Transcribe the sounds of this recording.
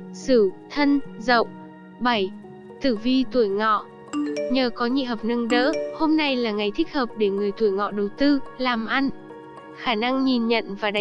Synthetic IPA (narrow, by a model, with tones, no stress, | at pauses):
sɨ˧˩t̪ʰə˧nzə̰˧˨wʔ | ɓa˧˩j | t̪ɨ˧˩vi˧t̪u˧˩əjŋɔ̰˧˨ | ɲəː˨˩kɔ˨˦ɲḭ˧˨ɦəː˨˩p̚nə˧ŋɗə̰ː˧˥ho˧mna˧jlaː˨˩ŋa˨˩jt̪ʰï˦˥k̟̚həː˨˩p̚ɗe˧˩ŋɨ˨˩əjt̪u˧˩əjŋɔ̰˧˨ɗə˨˩wt̪ɨ˧laː˨˩mʔa˧n | xaː˧˩na˧ŋɲi˨˩nɲə̰˧˨nvaː˨˩ɗa˧˨